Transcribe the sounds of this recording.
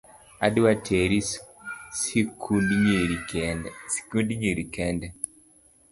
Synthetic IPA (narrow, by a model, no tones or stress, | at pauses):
a̰dwatʰeɾi | sikud | kudɲiɾikɛndɛ